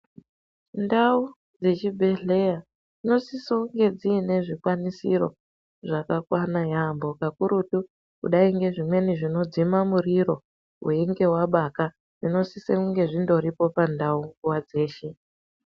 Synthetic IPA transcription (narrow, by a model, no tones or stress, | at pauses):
ndau | d͡ze̞t͡ʃibʱe̞ɮe̞ja | d͡zino̞siso̞ŋɡe̞d͡ziːne̞ʐikwanisḭɾo̞̰ | ʐakakwanajambo̞kakuɾutu | kṵɗaiŋɡe̞ʐimwe̞niʐino̞d͡zimamuriɾo̞ | weŋɡe̞waɓaka | d͡zino̞sisekuŋɡe̞ʐindo̞ɾipo̞pandauŋɡuwad͡ze̞ːʃe